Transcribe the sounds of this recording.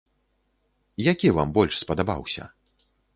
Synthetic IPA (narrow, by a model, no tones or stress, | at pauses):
jakʲiva̰mbɔlʲʂspɐd̪aba̰wsʲɐ̰